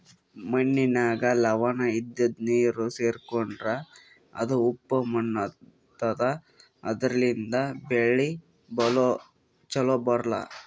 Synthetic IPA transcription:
mɐnːinaːɡɐlɐʋaːnɐid̪ːɐd̪niːɾuseːɾkoɳɖɾɐ | ɐ̰d̪uupːɐmɐnːɐ | t̪ːɐd̪ɐ | ɐ̰d̪ɐɾɐlind̪ɐbeɭi | bɐlo | t͡ʃɐlobɐɾlɐ̰

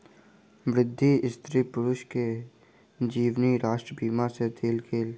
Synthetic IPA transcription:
ʋɾɪd̪ʱːiɪst̪ɾipʊɾʊʃke | d͡ʒiːʋniɾaːʃʈɾəbiːmaset̪ʰeːlkʰeːl

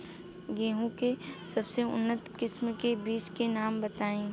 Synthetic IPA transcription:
ɡeːɦũkesɐbseʊ̰nːət̪kɪsmkebiːt͡ʃkenaːmbɐt̪aːẽː

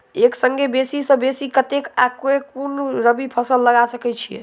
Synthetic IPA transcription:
eksəŋɡebesisə̃besikət̪ekakekunɾəbipʰəsəlːəɡasəkɛt͡ʃʰijḛ

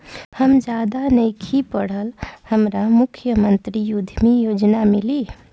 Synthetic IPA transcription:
həmd͡ʒad̪anəjkʰipəɽ̤əlhəmɾamukʰjəmənt̪ɾijud̪ʱmijod͡ʒnamili

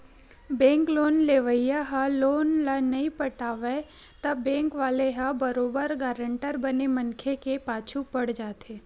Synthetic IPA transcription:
bɛ̃ːŋkloːnleːʋəjaɦaloːnlanɐĩpəʈaːʋe | t̪ɐbːɛ̃ːŋkʋaːleɦabəɾoːbəɾɡaːɾəɳʈəɾbənemɐnkʰekepaːt͡ʃʰupɐɽd͡ʒaːt̪ʰeː

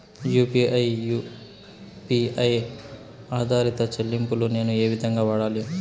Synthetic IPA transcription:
juːpiʔɐjju | piɐj | aːd̪ʱaːɾit̪ɐt͡ʃelːimpulune̞ːnue̞ːʋid̪ʱɐŋɡaːʋaːɽaːli

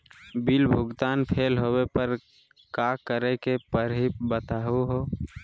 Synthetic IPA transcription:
bilbʱʊɡt̪aːnpʰeːlɦowepəɾ | kakəɾekepəɾɦibət̪aɦuɦoː

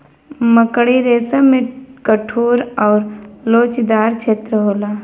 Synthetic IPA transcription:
məkɽiɾeːsamẽkəʈʰuːɾɔːɾloːt͡ʃd̪aːɾt͡ʃʰeːt̪ɾəɦoːlaː

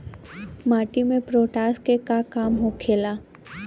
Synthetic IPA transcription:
maːʈimẽpɾoːʈaːskekakaːmɦokʰeːlaː

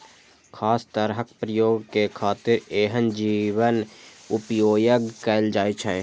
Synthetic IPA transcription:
kʰaːst̪əɾɦək̚pɾəjoːɡkekʰaːt̪ɪɾeːɦənd͡ʒiːwənʊpjoːjəɡkəld͡ʒaːit͡ʃʰɛ

